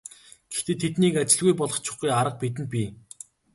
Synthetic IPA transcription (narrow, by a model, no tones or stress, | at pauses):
ɡ̥e̥xt̪eːt̪ʰet̪niːkat͡ɕɪ̆ɮɣujpɔɮɞ̆χt͡ɕʰʊ̥̆χɡujaɾə̆q̚pit̪̬ɘ̆nt̪̚pʲiː